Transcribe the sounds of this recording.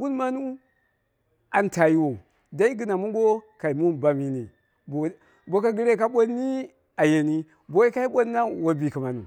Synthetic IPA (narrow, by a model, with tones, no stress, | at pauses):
ɡu˦n˦ma˦nu˦ | a˨nta˨ji˦wo˨ | da˦i˦ɡi˦na˨mu˦ɡo˦ka˨i˨mu˦nba˨mi˨ni˨ | bo˨ | bo˦ka˦ɡi˦ɾe˦k̬a˦ɓo˦nːi˦ | a˨je˨ni˦ | bo˦i˦ka˦i˦ɓo˦nːa˦wo˨bi˨ki˨ma˨nṵ˨